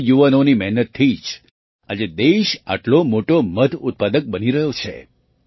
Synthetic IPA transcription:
juʋanonimɛɦnət̪ʰːid͡ʒ | a̰d͡ʒed̪eʃa̰ʈlomoʈoməd̪ʱʊt̪̚pad̪ək̚bəniɾəɦjot͡ʃʰḛ

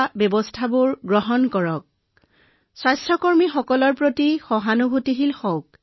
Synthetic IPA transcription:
bjɔbɔstʰabʊɹɡɹɔɦɔnkɔɹɔk̚ | swajstɹɔkɔɹmixɔkɔlɔɹpɹotixɔɦanubʱutiɦilxɔwk̚

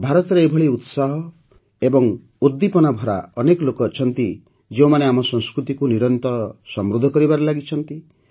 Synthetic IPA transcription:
bʱaɾɔt̪ɔɾeebʱɔɭiut̪saɦɔ | ebɔŋ | ud̪ːipɔnabʱɔɾa̰ɔnekɔlokɔt͡ʃʰɔnt̪i | d͡ʒeũmaneamɔsɔŋskɾut̪ikuniɾɔnt̪ɔsɔmɾud̪ʱːɔkɔɾibaɾelaɡit͡ʃʰɔnt̪i

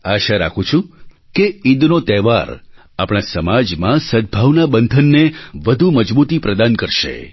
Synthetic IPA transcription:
aʃaɾa̰kʰũt͡ʃʰũ | keid̪not̪ɛʋaɾ | apɽ̃asəmad͡ʒmãsəd̪̚bʱaʋnabənd̪ʱənːeʋəd̪ʱuməd͡ʒbut̪ipɾəd̪ankəɾʃḛ

